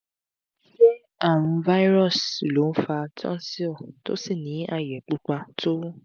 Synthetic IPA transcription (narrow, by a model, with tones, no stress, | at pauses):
ʃe˦ | a˦˨wũ˧va˦i˦ɾɔ˦˨si˨lo˨˦n̩˦fa˧tɔ̰̃˦n˦si˦o˦˨to̰˦si˦˨nĩ˨˦a˧jɛ˨k͡pu˦k͡pa˧to˦